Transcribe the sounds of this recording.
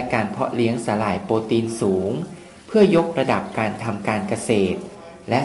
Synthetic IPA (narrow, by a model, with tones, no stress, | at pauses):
kaː˧npʰɔ˦˥li˦˥əŋsaː˩˦laː˩˦jpoː˧t̪iː˧nsuː˩˦ŋ | pʰɯ˥˩ɐjo˦˥k̚ɾa˧da˨˩p̚kaː˧nt̪ʰa˧mkaː˧nka˧seː˨˩t̪̚ | lɛ˦˥